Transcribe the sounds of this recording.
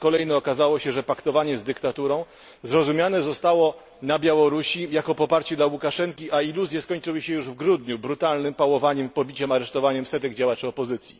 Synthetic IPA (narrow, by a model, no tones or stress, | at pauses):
kɔlɛjnɛɔkazawɔɕɛʐɛpakt̪ɔvaɲɛzd̪ɘkt̪at̪uɾɔ̃w̃ | zɾɔzumʲjanɛzɔst̪awɔ | nabʲjawɔɾuɕijakɔpɔpaɾt͡ɕɛd̪lawukaʂɛŋkʲiʔailuzʲjɛskɔɲt͡ʂɘwɘɕɛjuʐvɡɾud̪ɲubɾut̪alnɘmpawɔvaɲɛmpɔbʲit͡ɕɛmaɾɛʂt̪ɔvaɲɛmsɛt̪ɛɡd͡ʑawat͡ʂɘɔpɔzɘt̪sʲjḭ